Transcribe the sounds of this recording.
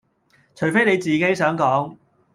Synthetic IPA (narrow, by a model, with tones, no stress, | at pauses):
t͡ʃʰɵ˨˩ɥfe˥jne˨˧jt͡siː˨ke˨˥jsœː˨˥ŋkɔː˨˥ŋ